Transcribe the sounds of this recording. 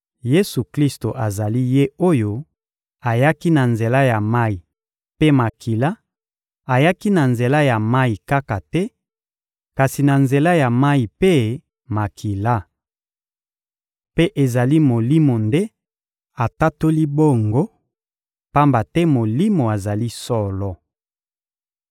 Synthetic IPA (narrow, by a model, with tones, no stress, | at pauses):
je˦su˨kli˦sto˨ʔa˨za˨li˦je˦o˦jo˦ | a˨ja˦ki˦na˨nze˨la˦ja˨ma˦i˨ | pe˦ma˨kʰi˨la˦ | a˨ja˦ki˦na˨nze˨la˦ja˨ma˦i˨ka˦ka˨tɛ˦ | ka˨si˨na˨nze˨la˦ja˨ma˦i˨pe˦ | ma˨kʰi˨la˦ | pe˦ʔe˨za˨li˦mo˨li˦mo˨nde˦ | a˨ta˦to˦li˦bo˦˨ŋɡo˦ | pa˦mba˨tɛ˦mo˨li˦mo˨a˨za˨li˦sɔ˦lɔ˨